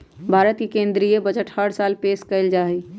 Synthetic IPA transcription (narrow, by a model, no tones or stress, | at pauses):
bʱaːɾət̪kikẽːnd̪ɾiebəd͡ʒəʈhəɽsaːlpeːskəld͡ʒaːɦi